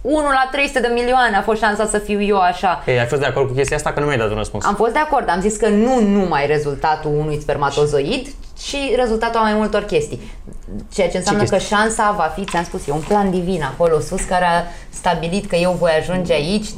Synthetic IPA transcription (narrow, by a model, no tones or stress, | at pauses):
unulat̪ɾe̞jsut̪ed̪emilioaneafo̞st̪ʃansasəfiwje̞aʃaeafo̞st̪d̪ako̞rd̪̚kukʲest̪iaast̪akənumjajd̪at̪unrəspṵnsamfo̞st̪d̪e̞ako̞rd̪amziskənunumajre̞zult̪at̪uunujspe̞rmat̪o̞zo̞id̪ | t͡ʃiɾe̞zult̪at̪uamajmult̪o̞rkʲe̞st̪ij | t͡ʃe̞jat͡ʃenseamnəkəʃansavafit̪samspusjeunpland̪ivinako̞lo̞suskaɾea | st̪abilit̪kəje̞wvo̞jaʒund͡ʒe̞ait͡ʃʲ